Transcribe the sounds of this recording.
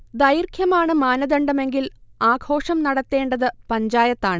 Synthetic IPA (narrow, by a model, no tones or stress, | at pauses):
d̪ɐjirkʰjɐmaːɳɨmaːnɐðɐɳɖɐme̞ŋɡilaːɡʱo̞ːʂɐmnɐɽɐt̪ːe̞ːɳɖɐðɨpɐɲd͡ʑaːjɐt̪ːaːɳɨ